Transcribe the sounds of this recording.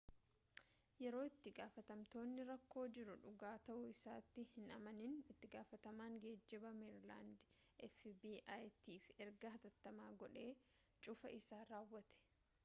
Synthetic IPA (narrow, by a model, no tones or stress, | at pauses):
jɛɾo̞ːɪt̪ːɪɡaːfɐt̪ɐmt̪o̞ːnːɪɾɐkːo̞ːd͡ʒɪɾʊᶑʊɡaːt̪ɐʔʊɪsaːt̪ːɪhɪnɐmɐnɪnɪt̪ːɪɡaːfɐt̪ɐmaːŋɡeːd͡ʒːɪbɐmɛɾla̰ːnd̪ʔɛfbiːʔaːjt̪iːfɛɾɡɐɦɐt̪ɐt̪ːɐmaːɡɔᶑe̞ː | t͡ʃʼʊfɐ̰ʔɪsaːɾaːwːɐt̪ɛ̥